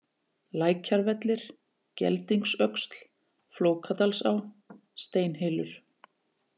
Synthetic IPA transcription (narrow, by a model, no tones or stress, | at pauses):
laːjcʰaɾvɛt̪lɪɾ̥ | cɛ̰lt̪iŋksœkst̪l̥ | floːwkʰat̪alsawst̪eːjnɦɪlʏɾ̥